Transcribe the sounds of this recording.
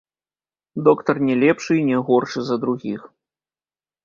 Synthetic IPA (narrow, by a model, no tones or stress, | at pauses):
d̪ɔkt̪ɐrnʲɛlʲɛpʂɨinʲɛɣɔrʂɨzɐd̪ɾuɣʲix